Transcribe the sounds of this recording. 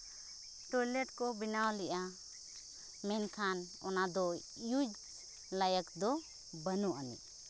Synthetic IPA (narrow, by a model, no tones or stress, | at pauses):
ʈɔjlɛʈkɔbinawlɛʔa | mɛnkʰan | ɔ̰nad̪ɔ | jud͡ʒ | lajəkd̪ɔ | bənɔʔanḭʔ